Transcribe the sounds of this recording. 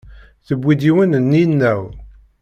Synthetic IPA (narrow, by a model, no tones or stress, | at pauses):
θəbʷːid̪iwənnːinːæw